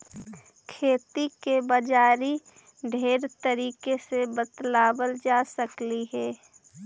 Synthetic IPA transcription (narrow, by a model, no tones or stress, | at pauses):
kʰeːt̪ikebəd͡ʒaːɾi | ɖʱeːɾt̪əɾiːkesebət̪laːbəld͡ʒaːsəkliɦɛː